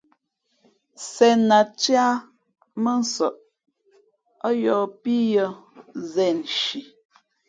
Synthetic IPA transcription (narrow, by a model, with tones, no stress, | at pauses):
sɛ˨na˨t͡ʃja˦ | mə˦n̩˦sɔ˨ʔ | ɔ˦jɔ˨pi˦jɔ˦zɛ˦˨n˨ʃi˨